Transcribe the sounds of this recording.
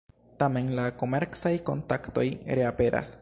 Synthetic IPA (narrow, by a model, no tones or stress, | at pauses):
tame̞nlako̞me̞ɾksajko̞ntakto̞̰jɾe̞ape̞ɾa̰s